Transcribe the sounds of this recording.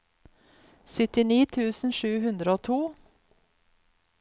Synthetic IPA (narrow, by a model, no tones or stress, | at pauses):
sʏt̪ɪniːt̪ʰʉːsn̩ʃʉːhʉnd̪ɾəoːt̪ʰuː